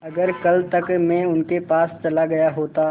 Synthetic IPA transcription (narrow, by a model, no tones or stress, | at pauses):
ɐɡəɾkɐlt̪ɐkmɛ̃ʊnkepaːst͡ʃɐlaɡɐjaɦoːt̪a